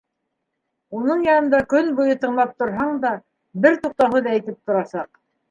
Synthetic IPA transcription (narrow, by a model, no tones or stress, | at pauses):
unɤɴjɑnɤ̆nd̪ɑkɵnbujɤt̪ɤ̆ɴlˠɑp̚t̪ŏɾɦɑɴd̪ɑ | bɘɾt̪uq̚t̪ɑɦɤðɑɘ̆jt̪ɘp̚t̪ŏɾɑsɑq